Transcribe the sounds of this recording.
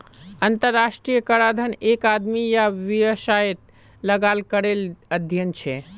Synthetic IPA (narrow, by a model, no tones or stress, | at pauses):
ənt̪əɾːaʃʈɾijəkəɾad̪ʱənekad̪mijaʋiəsaet̪ | ləɡalkəɾeləd̪ʱjənt͡ʃʰɛ